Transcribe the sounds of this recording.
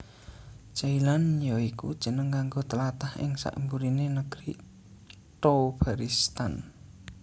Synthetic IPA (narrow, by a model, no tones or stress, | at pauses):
t͡ʃailanjoikṵd̥ʒ̥ə̤nəŋkaŋɡot̪əlat̪ahɪ̰ŋsa̰ʔmbuɾinenəɡ̥ɾi | t̪ob̥aɾist̪an